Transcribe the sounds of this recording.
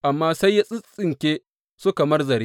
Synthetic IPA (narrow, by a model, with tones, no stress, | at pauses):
ʔa˨mːaː˦sa˦jːa˦sʼɪ˦sʼɪ˨ŋkʲeː˦ | sʊ˦ka˨mɐ˦rzɐ˨ɾeː˦